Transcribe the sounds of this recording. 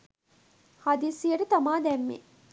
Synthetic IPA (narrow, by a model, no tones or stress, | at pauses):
had̪isijəʈət̪amaːd̪ɛmːḛ